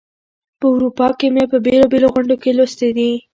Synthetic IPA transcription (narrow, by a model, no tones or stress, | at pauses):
pəʊɾupɑkemepəbelɑbeloɣʊɳɖokelost̪ed̪i